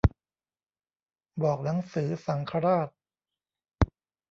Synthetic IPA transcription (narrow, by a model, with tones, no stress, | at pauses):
bɔː˨˩k̚na˩˦ŋsɯː˩˦sa˩˦ŋkʰa˧ɾaː˥˩t̪̚